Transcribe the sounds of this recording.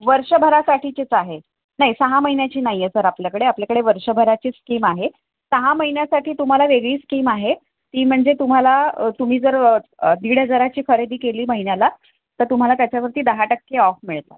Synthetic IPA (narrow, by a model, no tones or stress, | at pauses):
ʋəɾʂəbʱəɾasaʈʰiːt͡ɕet͡saɦe | naɦisəɦaməɦinjat͡ɕiːnaɦijjesəɾapljakəɽeapljakəɽeʋəɾʂəbʱəɾat͡ɕiːskiːmaɦe | t̪əɦaməɦinjasaʈiːt̪um̤alaʋeɡɭiːskiːmaɦe | t̪iːm̤əɳd͡zet̪um̤alat̪um̤iːd͡zəɾd̪iɽəd͡zəɾat͡ɕiːkəɾed̪iːkeliːməɦinjala | t̪əɾt̪um̤alat̪jat͡ɕjaʋəɾt̪iːd̪əɦaʈəkːeɔfmiɭt̪la̰t̪